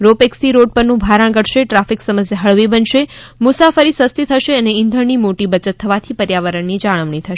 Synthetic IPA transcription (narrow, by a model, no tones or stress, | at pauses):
ɾopekst̪ʰiɾoɖ̚pəɾnũbʱaɾəɽ̃ɡəɽʃeʈɾafiksəməsjaɦəɭʋibənʃemʊsafəɾisəst̪it̪ʰəʃeəneɪ̃nd̪ʱəɾnimoʈibət͡ʃət̪ʰːəʋat̪ʰipəɾjaʋəɾəɳnid͡ʒaɭ̃əʋɳ̃it̪ʰəʃ